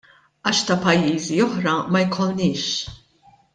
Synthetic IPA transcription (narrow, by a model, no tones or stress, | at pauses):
ɐːʃt̪ɐpɐjːiːziɔħɾɐmɐjkʰɔlnɪːʃ